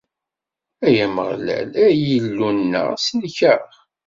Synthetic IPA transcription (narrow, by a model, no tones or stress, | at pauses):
æjæməʁlæ̰læjəlːunːə̰ʁsnçəɾ